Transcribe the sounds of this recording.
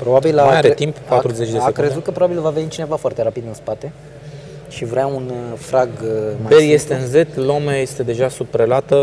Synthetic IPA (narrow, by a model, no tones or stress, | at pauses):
pɾo̞babilamajaɾet̪imppat̪ɾuzet͡ʃd̪eakɾezut̪̚kəpɾobabilvavenit͡ʃine̞vafoart̪e̞ɾapid̪ɨnspat̪e̞ | ʃivɾaunfɾaɡmbeje̞st̪eɨnze̞t̪lo̞meje̞st̪e̞d̪e̞ʒasupɾelat̪ə